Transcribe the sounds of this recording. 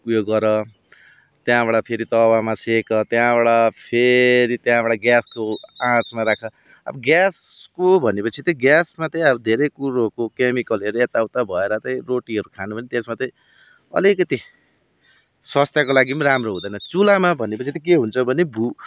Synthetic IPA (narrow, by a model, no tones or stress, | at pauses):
kujoɡʌɾʌ | t̪jãbaɽapʰeɾit̪ʌwamasekʌt̪jãbaɽapʰeɾit̪jãbaɽaɡjaskoãt͡smaɾakʰʌ | a̰bʌɡjas | kobʱʌnepʌt͡sʰit̪ʌɡjasmat̪ʌj̃ʌbʌd̪ʱeɾʌjkuɾokokemikʌlʌɾeet̪awt̪abʱʌeɾʌt̪ʌj̃roʈiʌɾukʰanubʱʌnet̪esmat̪ʌj̃ | ʌ̰likʌt̪i | swʌst̪jakolaɡimɾamroɦũd̪ʌjnʌt͡sulamabʱʌnepʌt͡sʰit̪ʌkeɦunt͡sʰʌbʱʌnebʱu